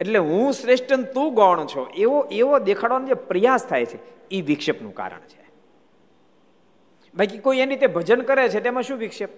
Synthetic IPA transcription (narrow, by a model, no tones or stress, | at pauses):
eʈleɦũsɾeʂʈənt̪ũɡɔɳ̃t͡ʃʰoʔeʋoʔeʋod̪ekʰaɽʋanũd͡ʒepɾəjast̪ʰajt͡ʃʰe | iʋɪkʃəpnṵ̃ka̰ɾə̰ɳt͡ʃʰe̥ | balkikoienɾit̪ebʱəd͡ʒənkəɾet͡ʃʰet̪emãʃũʋikʃəp̚